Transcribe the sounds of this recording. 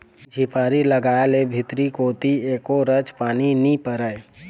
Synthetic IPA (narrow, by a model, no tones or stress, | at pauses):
d͡ʒʱipaːɾiləɡaːelebʱɪt̪ɾikoːt̪ieːkoɾəd͡ʒpaːninipəɾəe